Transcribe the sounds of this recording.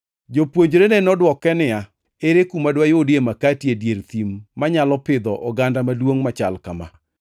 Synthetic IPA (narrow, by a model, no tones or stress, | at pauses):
d͡ʒopwoɲd͡ʒɾenenɔdwɔkɛnɪa | eɾekumadwajodjemakatjedjeɾt̪imːaɲalɔpɪd̪ɔʔɔɡandamadwoŋmat͡ʃa̰lkama̰